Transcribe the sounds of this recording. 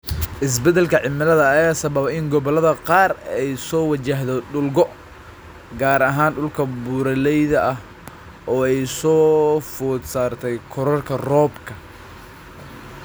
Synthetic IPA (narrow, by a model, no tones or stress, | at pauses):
ʔɪs̬bɛd̪ɛlkʰɐʕɪmɐlɐðɐːjaːsɐβɐβɪŋɡɔβɔlɐðɐqɑːrɛjsɔːwɑt͡ʃɐɦðɔɖʊlɡɔ | ɡaːɾɐɦaːnɖʊlkʰɐbuːɾɐlɛjðɐʔɐɦ | ʔɔːɛjsɔːfuːd̪saːrt̪ʰɛjkʰɔɾɐrkʰɐrɔːbkʰɐ